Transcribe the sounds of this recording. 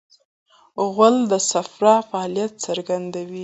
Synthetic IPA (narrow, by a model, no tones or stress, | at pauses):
ɣəld̪əsafɾɑfaːlijat̪̚t͡səɾɡand̪awi